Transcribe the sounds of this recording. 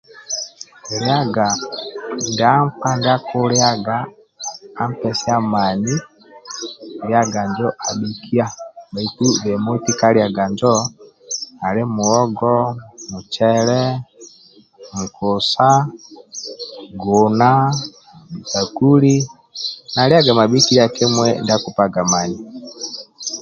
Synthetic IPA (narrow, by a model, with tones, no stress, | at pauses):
ɾja˦ɡa˨ | nda˦mka˦nda˦ku˦ɾja˦ɡaː˨˦ | m˦pɛ˨si˦a˦ma˨ni˦˨ | ɾja˦ɡa˨ɲd͡ʒɔ˦ʔa˨ɗu˨kʰi˦a˦ba˨i˨ku˦βe˨mo˦i˦ti˦ka˦ɾja˨ɡa˨ɲd͡ʒɔ˦ | a˨lɛ˦mu˨ɔ˦ɡɔ˦mu˨t͡ʃɛ˦lɛ˦ | m̩˨kʰɔ˨sa˦ | ɡu˨na˦ | mi˨ta˨ku˦li˦ | na˨li˦a˦ɡa˨ma˨bi˦ki˦li˦a˨ki˦mwɛnda˦ku˨pa˦ɡa˨ma˨ni˨